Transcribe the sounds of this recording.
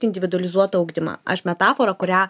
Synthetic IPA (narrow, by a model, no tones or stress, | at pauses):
ɪnʲd̪ʲɪʋʲɪd̪ʊɐlʲɪzuɔt̪ɐɐʊɡd̪ʲɪmɐ̰ːʔɐ̰ʃmʲɛt̪ɑːfoːɾɐkʊɾʲæː